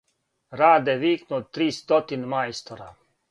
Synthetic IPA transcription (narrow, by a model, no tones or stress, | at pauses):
ɾaːd̪ɛʋiːknot̪ːɾiːst̪ɔt̪inmajst̪oɾa